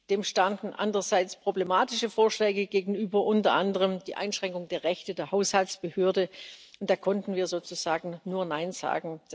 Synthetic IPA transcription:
d̥eːmʃtandn̩ʔa̰ndʁɐzaɪt͡spʁ̥oblemaːtɪʃəfoːɐʃlɛːɡəɡeːɡŋ̩yːbɐʔʊntɐ̰ʔandəʁ̞əmd̥iːʔa̰ɪnʃʁ̥ɛŋkʊŋdeːɐʁɛçtədeːɐɦaʊshaltt͡sb̥əhøːɐdəʔʊntd̥aːkʰɔntn̩viːɐzoːt͡suz̥aːɡŋ̩nːuːɐnaɪnz̥a̰ːɡŋ̩d̥a

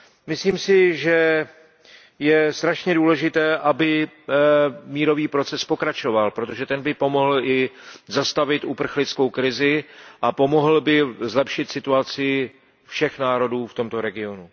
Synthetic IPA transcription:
mɪsliːmsɪʒɛ | jɛst̪ɾaʃɲɛduːlɛʒɪt̪ɛːʔabɪ | miːɾo̞viːpɾo̞t͡sɛspo̞kɾat͡ʃo̞valpɾo̞t̪o̞ʒɛt̪ɛnbɪpo̞mo̞ɦl̩ʔɪzast̪avɪt̪upr̩xlɪt͡skowkɾɪzɪʔapo̞mo̞ɦl̩bɪzlɛpʃɪt̪sɪt̪uat͡sɪ | fʃɛxnaːɾo̞duːft̪o̞mt̪o̞ɾɛɡɪo̞nu

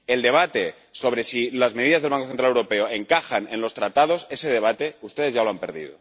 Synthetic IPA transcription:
e̞ld̪e̞β̞at̪e̞ | so̞β̞ɾe̞silazmeð̞iðazðelβaŋkoθent̪ɾalewɾo̞pe̞oe̞ŋkaxane̞nlo̞st̪ɾat̪að̞o̞se̞se̞ð̞e̞βat̪e̞ust̪e̞ðeʝalo̞ampeɾðḭð̞o̞̰

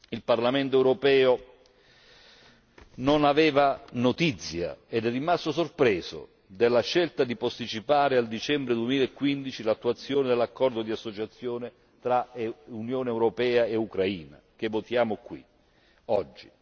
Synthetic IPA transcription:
ilparlamɛnt̪̬oɛwɾopɛːo | nonavɛːvanot̪it̪sːja̰ɛd̪ɛrːimast̪os̬orpɾɛːzo̰ | d̪elːaʃːɛlt̪ad̪ipost̪it͡ʃipaːɾɪald̪it͡ʃɛmbɾeɪd̪uemiːlaekːwind̪it͡ʃilat̪ːuat̪sːjoːnɪd̪elːakːɔrd̪od̪iasːot͡ʃat̪sːjoːnɪ | t̪ɾaunjoːneɛwɾopɛːaeukɾaiːna̰k̟evːot̪jaːmokwḭ | ɔd͡ʒːi

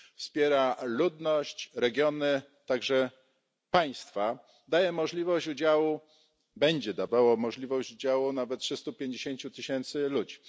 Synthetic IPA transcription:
fspʲjɛɾalud̪nɔɕt͡ɕɾɛɡʲjɔnɘ | t̪aɡʐɛ | paj̃st̪fa | d̪ajɛmɔʐlʲivɔɕt͡ɕud͡ʑawu | bɛɲd͡ʑɛd̪avawɔmɔʐlʲivɔɕt͡ɕud͡ʑawunavɛt̪̚tʂɘst̪upʲjeɲd͡ʑeɕeɲt͡ɕut̪ɘɕɛnt̪sɘlud͡ʑi

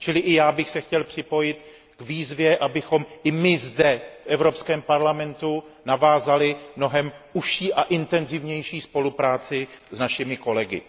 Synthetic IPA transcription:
t͡ʃɪlɪʔɪjaːbɪxsɛxcɛlpr̥ɪpo̞jɪt̪ | ɡviːzvjɛʔabɪxo̞mʔɪmɪzdɛfʔɛvɾo̞pskɛːmpaɾlamɛnt̪unavaːzalɪmno̞ɦɛmʔuʃiːʔaʔɪnt̪ɛnzɪvɲɛjʃiːspo̞lupɾaːt͡sɪznaʃɪmɪko̞lɛɡɪ̰

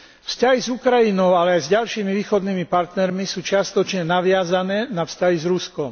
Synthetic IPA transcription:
vscaɦizukɾajinɔʊalɛajzɟalʃiːmiʋiːxɔd̪niːmipaɾt̪nɛɾmisuːt͡ʃɪast̪ɔt͡ʃɲɛnaʋɪazanɛːnafscaɦizɾuskɔm

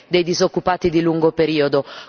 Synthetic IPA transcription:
d̪ejd̪izokːupaːt̪id̪iluŋɡopeɾiːod̪o

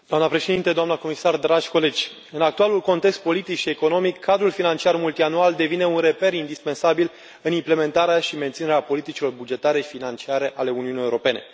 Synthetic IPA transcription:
d̪oamnəpɾe̞ʃe̞d̪int̪e̞d̪oamnəko̞misard̪ɾad͡ʒʲko̞le̞d͡ʒʲ | ɨnak̚t̪ualulko̞nt̪e̞kst̪̚po̞lit̪ikʃie̞ko̞no̞mikʰːad̪ɾulfinant͡ʃiarmult̪ianuald̪e̞vine̞unre̞pe̞ɾind̪ispe̞nsabil | ɨnimple̞me̞nt̪aɾeaʃime̞nt̪sineɾeapo̞lit̪it͡ʃilo̞rbud͡ʒe̞t̪aɾefinant͡ʃiaɾe̞ʔale̞uniunieuɾope̞ne̞

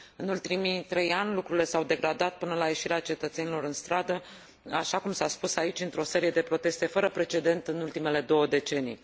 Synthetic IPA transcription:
ɨnult̪imit̪ɾe̞janʲlukɾuɾile̞sawd̪e̞ɡɾad̪at̪̚pɨnəlaje̞ʃiɾeat͡ʃe̞t̪ət̪se̞nilo̞ɾɨnst̪ɾad̪ə | aʃakumsaspusait͡ʃʲɨnt̪ɾo̞se̞ɾije̞d̪epɾo̞t̪e̞st̪e̞fəɾəpɾe̞t͡ʃe̞d̪e̞nt̪ɨnult̪ime̞le̞d̪o̞wəd̪e̞t͡ʃe̞nij

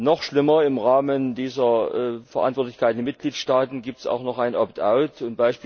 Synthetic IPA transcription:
nɔχʃlɪmɐɪmʁaːməndiːzɐʔfɛɐʔa̰ntv̥ɔɐtlɪçkaɪt̚ndɪːɐmɪtɡ̥liːtʃtaːtn̩ɡiːp̚tsa̰ʊxnɔχʔaɪnʔɔptʔa̰ʊtʊntb̥aɪʃpi

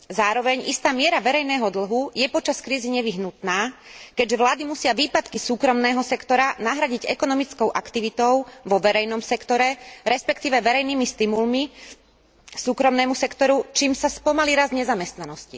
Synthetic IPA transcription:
zaːɾɔʋɛɲist̪aːmɪɛɾaʋɛɾɛjnɛːɦɔd̪l̩ɦujɛpɔt͡ʃaskɾiːziɲɛʋiɦnut̪naːkɛɟʒɛʋlaːd̪imusɪaʋiːpat̪kisuːkɾɔmnɛːɦɔsɛkt̪ɔɾanaɦɾaɟiɟɛkɔnɔmit͡skɔʊʔakt̪iʋit̪ɔʊʋɔʋɛɾɛjnɔmsɛkt̪ɔɾɛɾɛspɛkt̪iːʋɛʋɛɾɛjniːmist̪imulmi | suːkɾɔmnɛːmusɛkt̪ɔɾut͡ʃiːmsaspɔmaliɾazɲɛzamɛst̪nanɔscḭ

